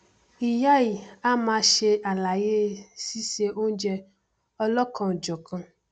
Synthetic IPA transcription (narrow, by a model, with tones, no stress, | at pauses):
i˨ja˦i˨a˦mã˨ʃe˦ʔa˨la˨je˦si˦se˦ʔo˦d͡ʒɛ˦ | ɔ˦lɔ˦kɔ̃˨d͡ʒɔ˨kã˦